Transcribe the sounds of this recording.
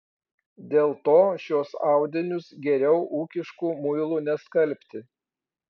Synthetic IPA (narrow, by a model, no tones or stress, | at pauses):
d̪ʲeːlˠt̪oːʃʲoːsɑˑʊd̪ʲɪnʲʊsɡʲɛɾʲɛʊʔuːkʲɪʃkuːmʊɪlˠuːnʲɛskɐlʲpʲt̪ʲɪ